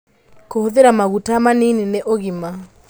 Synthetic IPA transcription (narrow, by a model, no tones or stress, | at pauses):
kohoðeɾamaɣutamaninineʔoɣima